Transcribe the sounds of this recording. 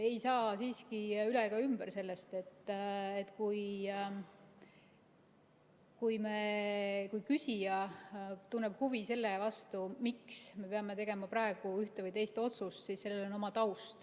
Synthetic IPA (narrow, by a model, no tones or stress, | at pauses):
e̞jsɑːsiːskiylekɑymb̥eɾse̞lːe̞st̪e̞t̪ːet̪kuj | kujmekujkysʲijɑt̪unːeb̥huvise̞lːevɑst̪umiksme̞peɑme̞t̪e̞ɡ̥e̞mɑpɾɑe̞ɡ̥uyht̪evɯjt̪e̞jst̪o̞t̪sust̪sisse̞lːelo̞no̞mɑt̪ɑwst̪